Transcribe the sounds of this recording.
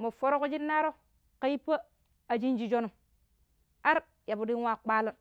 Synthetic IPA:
mo˨fo˦ɾo˦ko˦d͡ʒi˦nːa˦ɾo˦ | ka˦jpːə˦ | a˨d͡ʒi˦nd͡ʒi˦˨d͡ʒo˦nu˨m | a˦ɾ | ja˨bu˨di˦n˦wa˦˨k͡pa˦lo˦n

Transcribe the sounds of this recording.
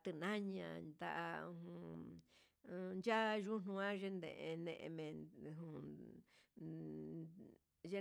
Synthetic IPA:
t̪ɨ˧nã˦ɲã̰˧˨d̪a˧ʔa˧hũ˧ | nd͡ʒa˦ʒu˦n̥ũ˧ã˦ʒe˧nd̪ḛ̃˧˨ʔe˧nḛ̃˧ʔẽ˧mẽ˨˧ɦũ˧˨ | ʒe˦

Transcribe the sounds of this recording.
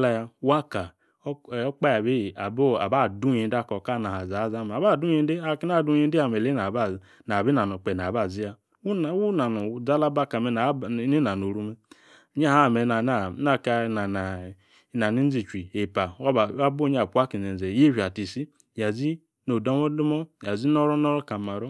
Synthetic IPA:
la˦ja˧wa˦ka˨˦˨ | k͡pa˦ja˨be˦˨a˨bo˦a˨ba˦˨du˦ji˨˦da˦˨kɔ˨ka˦˨na˨ha˨za˨˦za˦m˨ba˦˨du˦i˦e˦a˨ki˦na˦˨du˦i˦n˦e˦a˨me˨le˦na˨ba˦˨ | na˨bi˦na˨no˨k͡pe˨n˨a˨ba˦˨zi˦a˨˦˨ | wu˦na˨nu˨d͡za˦la˦ba˦˨ka˨me˨na˨˦i˦na˨no˨ɾu˦me˦ | ɲa˦ha˦˨me˨na˨na˨˦na˦˨ka˦˨na˨n˨ | na˨ni˦n̩˦zi˨t͡ʃi˨e˨pa˨wa˦ba˦bo˦ɲ˦a˨pu˦a˦ki˨n˨e˨ze˨je˦i˨a˨ti˨si˦ | ja˨zi˦ | no˨do˦mo˦du˦mɔ˦˨ja˨zi˦no˦ɾɔ˦nɔ˦ɾɔ˦ka˨ma˨ɾɔ˦

